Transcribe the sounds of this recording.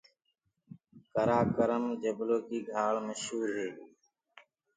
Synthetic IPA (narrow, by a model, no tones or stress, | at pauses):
kəɾaːkəɾəmd͡ʒəbloːkiːɡʱaːɭməʃɦuːɾɦeː